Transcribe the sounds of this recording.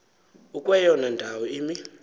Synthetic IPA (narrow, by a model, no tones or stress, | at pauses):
ukʼwɛjɔnandʱawɔiːmi